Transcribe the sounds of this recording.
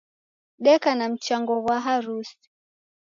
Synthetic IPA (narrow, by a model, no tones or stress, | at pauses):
ɗɛkanam̩t͡ʃaŋɡɔɣwaɦaɾus